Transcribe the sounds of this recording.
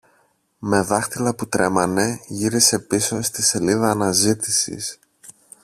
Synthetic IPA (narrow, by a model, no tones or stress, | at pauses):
me̞ðɐxt̪ilɐput̪ɾe̞mɐne̞ʝiɾise̞piso̞st̪ise̞liðɐːnɐzit̪isḭs